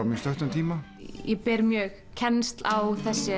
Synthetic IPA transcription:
ɾmist̪œht̪ənt̪ʰiːma | jɛpɛːɾmjœɣ | cʰɛnst̪lawθɛsːɪ

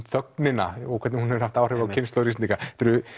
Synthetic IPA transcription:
t̪θœknɪna̰ɔkʰɛt̪nɪhunɛɾɾ̥haft̪awrɛːvawcʰɪnslowɾist̪ikat̪ʏɾʏ

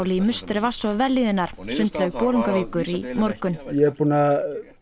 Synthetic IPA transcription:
wlimʏst̪ɾɪvasːɔðvɛlːiðɪnːaɾ̥sʏnt̪lœɣpɔːɾiŋkaviːkʏɾimɔɾkʏnjɛpuna

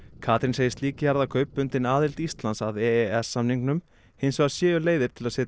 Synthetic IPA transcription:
kʰaːt̪ɾɪnseːjɪst̪liːcɪhaɾðakʰœɥpːʏnt̪ɪnaːðɪl̥t̪ist̪lansaðɛɛɛsːamniŋknʏm | hɪnsɛasjɛːɣʏleːjðɪɾ̥t̪ʰɪlaðsɛːt̪

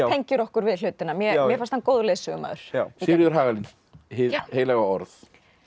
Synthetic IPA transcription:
ejɲcʏɾɔhkʏɾvɪðl̥ʏːt̪ɪnamjɛjɛɾfanst̪ankowðleːsʏɣʏma̰ːðʏɾ̥asɪɾðʏɾ̥ɦaːɣalin | hheːjlɛɣaɔɾθ

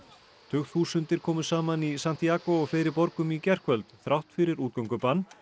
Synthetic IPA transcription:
t̪ʰʏxθuːsʏnt̪ɪɾ̥kʰɔːmʏ̥saːmanisan̥t̪iaːkɔɔɣfeːɾɪpɔɾkʏmicɛr̥kʰvœlt̪θɾawht̪fɪɾɪɾuːt̪̚kœwŋkʏpanː

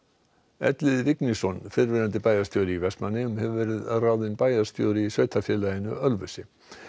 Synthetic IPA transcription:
ɛ̰t̪lɪðvɪknisɔnfɪɾvɪɾant̪̬ɪpaːjast̪joːwɾɪivɛst̪manːɪmhɛvʏvɛɾɪðraːwðɪnpaːjast̪jowɾɪisœːɥt̪ʰafjɛlajɪnʏœlvœsɪ

